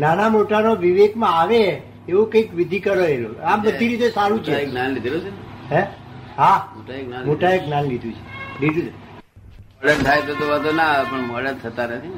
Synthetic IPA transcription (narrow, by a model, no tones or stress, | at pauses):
nanamoʈanoʋiʋeɡmãaʋe | eʋokəikʋid̪ʱikəɾoeloambəd̪ʱiɾit̪esaɾũt͡ʃʰeɡnanlid̪ʱlot͡ʃeɦɛ̃ɦamoʈaɡnamoʈaeɡnanlid̪ʱũt͡ʃʰe̥lid̪ʱu | məɽəɾt̪ʰajt̪ot̪oʋəd̪ʱonapəɳməɽəɾt̪ʰət̪anət̪ʰi